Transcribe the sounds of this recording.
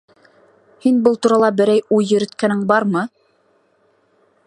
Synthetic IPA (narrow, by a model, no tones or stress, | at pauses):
hinbɤlˠt̪uɾɑlˠɑbɘ̆ɾæjujːɵ̆ɾɘ̆t̪kænɘŋbɑɾmɤ